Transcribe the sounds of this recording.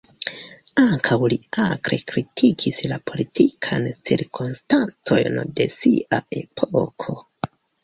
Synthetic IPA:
aŋkʰawliakɾḛkɾitʰikʰislapo̞litʰikʰant͡siɾkʰonstant͡so̞̰jnde̞siʔaʔe̞pʰokʰo̞

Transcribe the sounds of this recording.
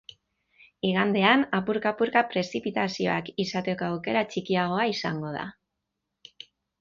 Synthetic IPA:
iɣand̪e̞anapuɾkapuɾkapɾe̞sipit̪asio̞̰akisat̪e̞ko̞awke̞ɾat͡ʃikiaɣ̞o̞aisaŋɡo̞ð̞a̰

